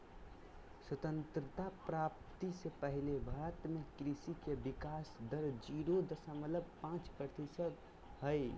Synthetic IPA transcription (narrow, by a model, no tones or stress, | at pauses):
swət̪ənt̪ɾət̪apɾap̚t̪isepəɦilebʱəɾət̪mekɾisikebikasd̪əɾd͡ʒiɾod̪əsəmələbpãt͡ʃpɾəɾt̪isəd̪ | həj